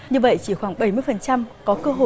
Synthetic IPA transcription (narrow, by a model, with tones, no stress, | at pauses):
ɲɨ˧və̰˧˨jt͡ɕi˧˩xwaː˧˩ŋɓə˧˩jmɨ˧əjfə˨˩nt͡ɕa˧mkɔ˨˦kəː˧ɦo̰˧˨